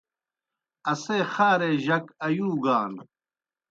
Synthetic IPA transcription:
ɐseːxaːɾeːʑɐkɐjuːɡaːn

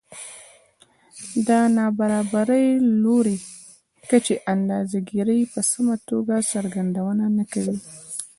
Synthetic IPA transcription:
d̪ənɑbaɾɑbaɾəjloɾe | kət͡ʃeʔand̪ɑzaɡiɾəjpəsamat̪oɡasaɾɡand̪awənanakawi

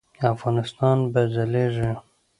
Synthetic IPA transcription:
afɣɑːnɪst̪ɑːnbazaleʒe

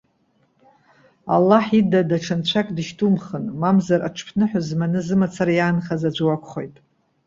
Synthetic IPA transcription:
a̰lːaħidadaʈ͡ʂʰant͡ɕʷʰakʼdɨʃtʰumχənmamzaɾaʈ͡ʂʰpʰnɨħazmanɨzɨmat͡sʰaɾajaːnχazad͡ʒʷwakʷʰʼχo̞̰jtʼ

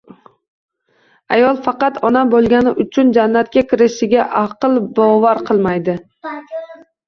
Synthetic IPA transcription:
a̰jɒlˠfɑqɑt̪ʰɒnabolˠɡʲanɪʔʊt͡ʃʰʊnd͡ʒanːat̪̚kʲakʲʰɪɾɪʃɪɡʲaʔɑqɨlˠbɒvaɾqʰɨlˠmajd̪ɪ

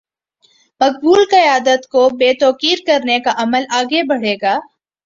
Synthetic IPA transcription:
mɐq̚buːlkɐjaːd̪ət̪kobeːt̪ɔːqiːɾkɐɾnekaʔɐməlaːɡebɐɽ̤eːɡaː

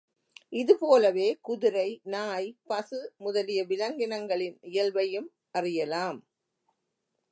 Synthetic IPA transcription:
ʔɪðɯpoːlɐʋeːkʊðɪɾɐɪnaːjpɐsɯmʊðɐlɪjɐʋɪlɐŋɡɪnɐŋɡɐɭɪnɪjɐlʋɐjɯm | ʔɐrɪjɐlaːm

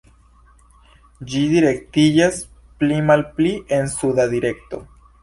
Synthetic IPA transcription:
d͡ʒidiɾe̞k̚tid͡ʒas | plimalpliʔe̞nsud̪ad̪iɾe̞k̚to̞

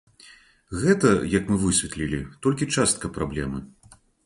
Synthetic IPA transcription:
ɣɛt̪ɐjɐkmɨvɨsʲvʲɛt̪lʲilʲit̪ɔlʲkʲit͡ʂast̪̚kɐpɾablʲɛ̰mɨ̰

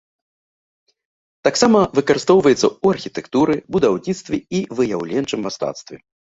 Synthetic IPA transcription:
t̪aksamɐvɨkɐɾɨst̪ɔwvɐjɛt̪sɐuɐrxʲit̪ɛkt̪uɾɨbud̪awnʲit̪st̪vʲɛivɨjawlʲɛnt͡ʂɨmːast̪a̰t̪st̪vʲɛ

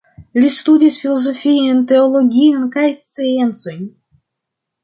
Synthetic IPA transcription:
lʲist̪udisfilozo̞fʲient̪eoloɡʲionkajst͡sient̪so̞jn

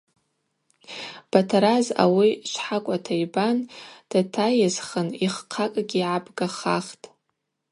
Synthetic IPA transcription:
b̥atʰaɾaza̰wiʃʷħakʷʼatʰajband̥atʰajazχəniχqʰakʼɡʲiʕabɡaχa̰χtʼ

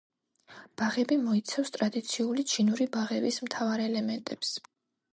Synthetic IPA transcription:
b̥aʁɛbimɔit̪sʰafst̪ʼɾad̪it̪sʰiulit͡ʃʰinuɾibaʁɛbismt̪ʰavaɾɛlɛmɛnt̪ʼɛps

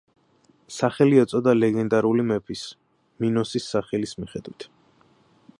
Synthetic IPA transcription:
saχɛliɔt̪sʼɔd̪alɛɡɛnd̪aɾulimɛpʰis | minɔsisːaχɛlismiχɛd̪wit̪ʰ

